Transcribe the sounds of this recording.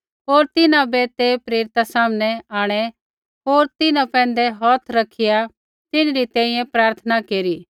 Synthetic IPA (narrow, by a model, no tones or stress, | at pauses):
ɦoːɾt̪ɪnãbɛt̪epɾeːɾɪt̪asaːmənɛaːɽ̃ɛ | ɦoːɾt̪ɪnãpɛ̃ːnd̪ɛɦɔːt̪ʰɾɐkʰːɪja | t̪ɪnɾit̪ɛ̃ːĩjɛ̃pɾaːɾt̪ʰənakeːɾiː